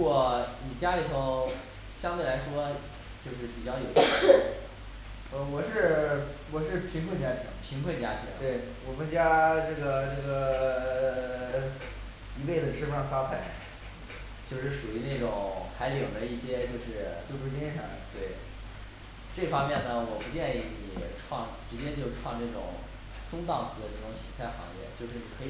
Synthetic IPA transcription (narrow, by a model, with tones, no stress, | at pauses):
ɻu˥kwɔ˨˧˩ni˨˩t͡ɕja˥li˨˩t̪ʰo˧˥ʊ | ɕjɑ˥ŋt̪we˥˩ɪla˧˥ɪʂwɔ˥ | t͡ɕjo˥˧ʊʂɻ̩˥˩pi˨˩t͡ɕjɑ˥˩ʊjo˨˩ʊɕɛ˥˩˥ | ə˥˧wɔ˨˩ʂɻ̩˥˧wɔ˨˩ʂɻ̩˥˩pʰi˧˥ŋkʰwə˥˩nt͡ɕja˥t̪ʰḭ˧˥ŋpʰi˧˥ŋkʰwə˥˩t͡ɕja˥t̪ʰi˧˥ŋt̪we˥˩ɪwɔ˨˩mə˦nt͡ɕja˥ʈ͡ʂɤ˥˩ɡə˩ʈ͡ʂɤ˥˩ɡə˩ | i˧˥we˥˩ɪd͡zə˩ʂ̩˥ʂɑ˥˩t͡sʰa˥t͡sʰa˥˩ɪ˥˧ | t͡ɕjo˥˧ʊʂɻ̩˥˩ʂu˨˩i˧˥na˥˩ʈ͡ʂʊ˨˩˦ŋxa˧˥ɪljɤ˨˩d̪ə˦i˥˩ɕjɛ˥t͡ɕjo˥˧ʊʂɻ̩˥˩t͡ɕjo˥˧ʊpu˥˩t͡ɕi˥ɛ˥˩ɑ̰˥˧˩t̪we˥˩ɪ | ʈ͡ʂɤ˥˩fɑ˥ŋmjɛ˥˩nnə˩wɔ˨˩pu˧˥t͡ɕjɛ˥˧ni˧˥˩i˨˩ʈ͡ʂʰwɑ˥˧ŋʈ͡ʂɻ̩˧˥t͡ɕjɛ˥t͡ɕjo˥˧ʊ˧ʈ͡ʂʰwɑ˥˧ŋʈ͡ʂa˥˩ʈ͡ʂʊ̰˨˩ŋ | ʈ͡ʂʊ˥ŋt̪ɑ˥˩ŋt͡sʰɹ̩˧˥d̪ə˧ʈ͡ʂɤ˥˩ʈ͡ʂʊ˧˥ŋɕi˧˥t͡sʰa˥˩ɪxɑ̰˧˥ŋjɛ̰˥˧t͡ɕjo˥˧ʊʂɻ̩˥˩kʰɤ˧˥˧